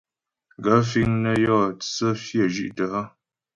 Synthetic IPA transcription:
ɡə˨˦fi˦ŋnə˦jɔ˦˨t͡sə˦fjə˦˨ʒi˦ʔtə˨ʔə˦

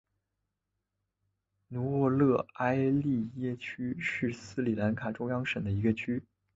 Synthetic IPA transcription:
nu˧˥wɔ˥˧lɤ˥˩a˥ɪli˥˧jɛ˥˧t͡ɕʰy˥ʂɻ̩˥˩sɹ̩˥li˨˩la˧˥nkʰa˨˩ʈ͡ʂʊ˥ŋjɑ˥ŋʂə˨˩d̪ə˦i˧˥ɡə˧t͡ɕʰy˥

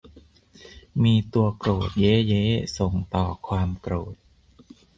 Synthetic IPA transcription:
miː˧t̪u˧ɐkɾoː˨˩t̪̚jeː˦˥jeː˦˥so˨˩ŋt̪ɔː˨˩kʰwaː˧mkɾoː˨˩t̪̚

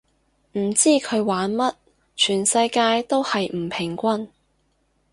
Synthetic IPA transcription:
m̩˨˩t͡siː˥kʰɵ˨˧ɥwaː˨˥nmɐ˥t̚ | t͡ʃʰyː˨˩nsɐ˧jkaː˧jt̪o˥whɐ˨jm̩˨˩pʰɪ˨˩ŋkʷɐ˥n

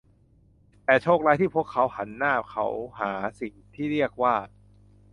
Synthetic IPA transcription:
t̪ɛː˨˩t͡ɕʰoː˥˩k̚laː˦˥jt̪ʰiː˥˩pʰu˥˩əkʰːa˦˥wha˩˦nːaː˥˩kʰa̰˦˥wɦaː˩˦si˨˩ŋt̪ʰiː˥˩ɾi˥˩ək̚waː˥˩

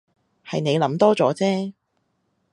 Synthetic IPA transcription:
hɐ˨jne˨˧jlɐ˨˧˥mt̪ɔː˥t͡sɔː˨˥t͡sɛː˥

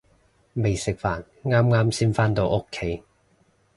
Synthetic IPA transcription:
me˨˩jsɪ˨k̚faː˨˩n | ŋaː˥mŋaː˥msiː˥nfaː˥nt̪o˧wʔo˥kʰːe˨˥j

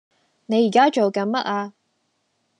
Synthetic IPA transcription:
ne˨˧ji˨˩kaː˥t͡ʃo˨wkɐ˨˥nmɐ˦˥t̚aː˧

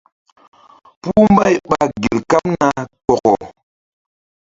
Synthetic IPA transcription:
pu˦m˦ba˦jɓa˨ɡe˨lka˦mna˨k͡pɔ˨kɔ˨

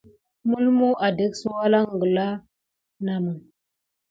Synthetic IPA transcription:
mu˦lmu˦ʔa˨de˦ksu˦wa˦la˦ŋ˨ɡə˨la˦ | na˨mu˨ŋ

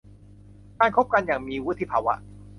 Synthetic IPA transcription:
kaː˧nkʰo˦˥p̚ka˧njaː˨˩ŋmiː˧wu˦˥t̪ʰːi˧˩pʰaː˧wa̰˦˥ʔ

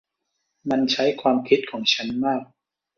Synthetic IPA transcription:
ma˧nt͡ɕʰa˦˥jkʰwaː˧mkʰi˦˥t̪̚kʰɔː˩˦ŋt͡ɕʰa˦˥nmaː˥˩k̚

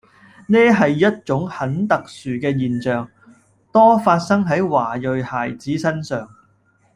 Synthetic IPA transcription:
nɛː˥ɦɐ˨jːɐ˥t̚t͡sʊ˨˥ŋhɐ˨˥nt̪ɐ˨k̚syː˨kɛː˧jiː˨nt͡ʃœː˨ŋ | t̪ɔː˥faː˧t̚sɐ˥ŋɦɐ˨˥jwaː˨˩jɵ˨ɥhaː˨˩jt͡siː˨˥sɐ˥nsœː˨ŋ

